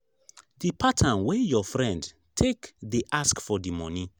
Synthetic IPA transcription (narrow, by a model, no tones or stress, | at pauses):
dipʰatʰãnwejɔfɹɛ̃nd | tʰekdiʔaskfɔdimɔ̃ni